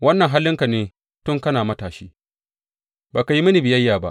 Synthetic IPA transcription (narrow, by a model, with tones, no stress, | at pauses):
wɐ˦nːɐ˨ŋɦa˦lːɪ˦ŋka˨neː˦ | tʊ˦ŋkɐ˦naː˨mɐ˦taː˨ʃiː˦ | baː˨ka˨ji˦mɐ˦ni˨bɪ˨jɐ˦jːaː˨ba̰˦ʔ